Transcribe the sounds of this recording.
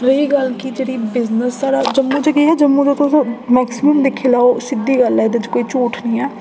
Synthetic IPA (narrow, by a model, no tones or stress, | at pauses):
ɾəiːɡəlkid͡ʒeːɽiːbɪznəsːaːɾaːd͡ʒəmːũːt͡ʃəɡeːɛːd͡ʒəmːũːd͡ʒət̪ʊsmɛːksɪməmd̪ekʰeːlaːoːsɪd̪iːɡəlɛːd̪ət͡ʃkoːiːt͡ʃuːʈʰnĩːɛː